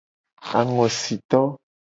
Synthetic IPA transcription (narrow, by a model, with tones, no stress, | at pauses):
a˨ŋɔ̃˨si˨t̪ɔ˦